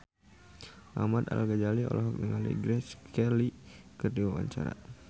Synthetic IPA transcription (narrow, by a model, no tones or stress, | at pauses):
ʔa̰mad̪a̰lɡad͡ʒaliɔ̰lʔɔɦɔk̚nəŋalḭɡɾɛskɛlikərdiwawa̰ɲt͡ʃa̰ɾa̰